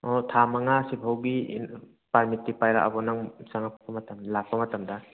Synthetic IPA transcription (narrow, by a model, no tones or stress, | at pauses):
ɔtʰamaŋasibʰʱawbi | paɾmitːipajɾa̰ʔa̰bɔnaŋsaŋapʰpɐmɐtɐmdlak̚pɐmɐtɐmda